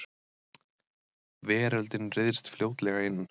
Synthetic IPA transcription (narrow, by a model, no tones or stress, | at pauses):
vɛːɾalt̪ɪnrɪðst̪fljoːwt̪lɛɣaɪnː